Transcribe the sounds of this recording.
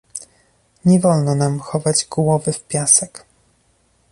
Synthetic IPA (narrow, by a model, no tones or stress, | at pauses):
ɲɛvɔlnɔnamxɔvad͡ʑɡwɔvɘfpʲjasɛk